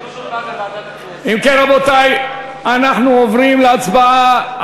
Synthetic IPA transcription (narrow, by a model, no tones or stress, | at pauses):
imkenʁabot̪aj | anaχnuovʁimleat͡sbaa